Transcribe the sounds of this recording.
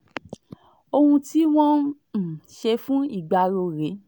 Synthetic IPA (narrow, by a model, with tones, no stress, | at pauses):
o˧hũ˧ti˦w̃ɔ̃˦˨ | ʃe˧fũ˦i˦˨ɡ͡ba˧ɾo˧ɾe˨˦